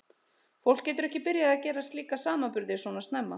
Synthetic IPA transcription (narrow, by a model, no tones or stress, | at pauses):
fowl̥kcɛːt̪ʏɾɛhcɪpɪɾjaðacɛːɾast̪liːkasaːmapʏɾðɪsvɔːnast̪nɛmːa